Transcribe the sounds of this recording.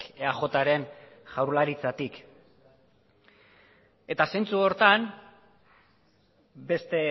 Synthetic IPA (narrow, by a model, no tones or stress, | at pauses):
eaʝo̞t̪aɾe̞nʝawɾlaɾit͡sat̪ik | e̞t̪ase̞nt͡suo̞ɾt̪an | be̞st̪e̞